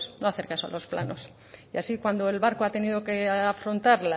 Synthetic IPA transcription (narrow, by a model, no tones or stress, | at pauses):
snoaθeɾkasoa̰lo̞spla̰no̞s | iasikwand̪oe̞lβaɾkoat̪e̞nið̞o̞ke̞afɾo̞nt̪aɾla